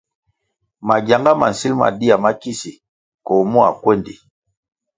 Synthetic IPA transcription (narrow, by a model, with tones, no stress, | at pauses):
ma˨ɡja˨ŋɡa˦ma̰˨n̩˨si˦lma̰˨di˦a˨ma˦ki˦si˨ | kɔ˨mu˦a̰˨kwe˦˨ndi˨